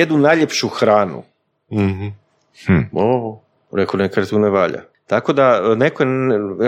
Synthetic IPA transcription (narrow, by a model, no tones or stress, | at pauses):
ed̪nunajʎepʃuxɾaːnṵ | m̩h̩ | o | ɾekonekaet̪uneʋaːʎa̰ | t̪ako̞d̪anekojen